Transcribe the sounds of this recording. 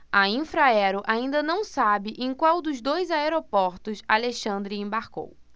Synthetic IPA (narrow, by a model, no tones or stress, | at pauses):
ɐĩfɾaɛɾʊʔaĩnd̪ɐnɐ̃w̃sabɪʔẽj̃kwawd̪ʊzd̪ojzaeɾopɔɾt̪ʊsa̰leʃɐ̃nd̪ɾɪẽbaɾko̰w